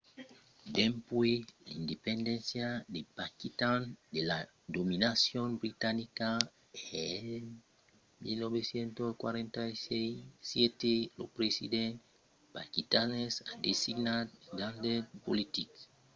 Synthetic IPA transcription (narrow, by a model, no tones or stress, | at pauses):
d̪ẽmpwelaind̪epẽnd̪ẽnsjad̪epakit̪and̪ela | d̪ominasjõmbɾit̪anika | e | milnoβesjent̪oskwa̰ɾẽnt̪aisejsjet̪elo̰pɾesḭd̪ẽn | pakit̪anesad̪esiɡnatd̪ãndepolit̪ik